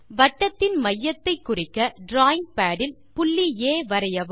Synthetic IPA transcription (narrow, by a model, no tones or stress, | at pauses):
ʋɐʈːɐt̪ːɪnmɐjːɐt̪ːɐɪkːʊrɪkːɐɖɾaːɪŋɡ̚paːɽɪl | pʊɭːijeːʋɐɾɐjɐʋɯ